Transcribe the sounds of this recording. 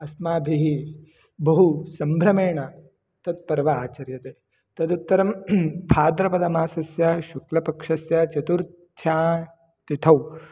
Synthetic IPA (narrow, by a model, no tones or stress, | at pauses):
ɐsmaːbʱiɦi | bɐɦusɐmbʱɾɐmeːɳɐ | t̪ɐt̪̚pɐɾʋɐaːt͡ʃɐɾjɐt̪e | t̪ɐd̪ut̪ːɐɾɐmpʰaːd̪ɾɐpɐd̪ɐmaːsɐsjɐʃuklɐpɐkʂɐsjɐt͡ʃɐt̪uɾ | t̪ʰjaː | t̪it̪ʰɐw